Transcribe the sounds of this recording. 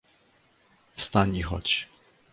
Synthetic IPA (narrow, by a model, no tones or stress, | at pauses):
fst̪aɲixɔ̰t͡ɕ